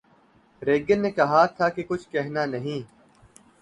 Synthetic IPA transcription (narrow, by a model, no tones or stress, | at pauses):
ɾeːɡənːeːkɐɦat̪ʰaːkekʊt͡ʃʰkɛɦnaːnɐɦĩː